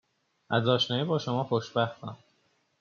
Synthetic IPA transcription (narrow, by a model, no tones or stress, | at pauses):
ʔæzɒːʃnɒːjebɒːʃo̞mɒːxoʃbæxt̪ɒn